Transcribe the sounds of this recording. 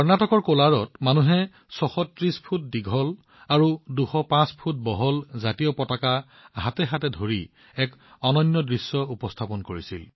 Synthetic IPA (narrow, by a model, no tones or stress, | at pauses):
kɔɹnatɔkɔɹkolaɹɔtmanuɦɛ | sɔxɔtɹispʰut̚diɡʱɔl | aɹuduxɔpãspʰut̚bɔɦɔlzatijɔpɔtaka | ɦatɛɦatɛdʱoɹi | ɛkɔnɔnːɔdɹisːɔupɔstʰapɔnkoɹisil